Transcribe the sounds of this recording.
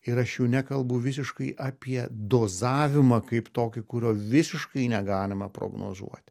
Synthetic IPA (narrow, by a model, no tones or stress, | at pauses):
ɪɾɐʃjɛʊnʲɛkɐlˠbʊʋʲɪs̬ʲɪʃkɐɪʔɐːpʲiɛd̪oːzɑːʋʲɪmɐkɐɪpt̪oːkʲɪkʊɾʲoːʋʲɪsʲɪʃkɐɪnʲɛɡɑːlʲɪmɐpɾo̰ːɡno̰ːzṵɔt̪ʲ